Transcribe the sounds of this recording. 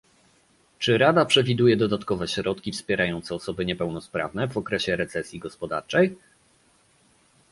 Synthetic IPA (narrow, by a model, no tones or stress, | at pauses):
t͡ʂɘɾad̪apʂɛvʲid̪ujɛd̪ɔd̪at̪kɔvɛɕɾɔt̪kʲifspʲjɛɾajɔnt̪sɛɔsɔbɘɲɛpɛwnɔspɾa̰vnɛvɔkɾɛɕɛɾɛt̪sɛsʲjiɡɔspɔd̪a̰ɾt͡ʂɛj